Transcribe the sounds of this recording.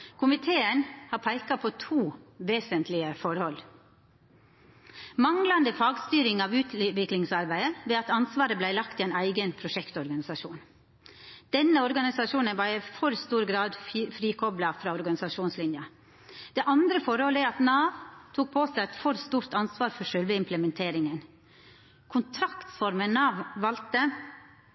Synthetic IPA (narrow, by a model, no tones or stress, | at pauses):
kʰʊmɪt̪ʰeːənhɑːpʰæɪkɑpʰɔt̪ʰuːʋeːsənt̪ʰlɪəfɔɾhɔl | mɑŋlɑnd̪əfɑːɡst̪yːɾɪŋɑːʋʉːt̪ʰʋɪklɪŋsɑɾbæɪəʋɛːɑt̪ɑnsʋɑːɾəblæɪlɑk̚t̪ʰɪæɪnæɪɡənpʰɾʊʃɛkt̪ɔɾɡɑnɪsɑʃuːn | d̪̥ɛnːəɔɾɡɑnɪsɑʂuːnənʋɑɾɛfɔɾst̪uːɾɡɾɑːd̪fɾiːkʰɔblɑfɾɑːɔɾɡɑnɪsɑʂuːnslɪnjɑ | d̪̥ɛʔɑnd̪ɾəfɔɾhɔːləæɾɑt̪nɑːʋt̪ʰuːk̚pʰoːsæɪæɪt̪fɔɾst̪uːɾt̪ɑnsʋɑːɾfɔʂœlʋəɪmpʰləmɛnt̪ʰeːɾɪŋən | kʰʊnt̪ʰɾɑkt̪sfɔɾmənɑʋʋɑlt̪ə